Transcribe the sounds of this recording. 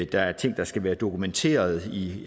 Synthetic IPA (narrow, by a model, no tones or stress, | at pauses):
d̥ɑ̈æɐt͡sʰe̝ŋ̰d̥ɑ̈sɡ̥æʋæːɐd̥o̝kʰument͡sʰe̝̰ːɐð̞̩ˠi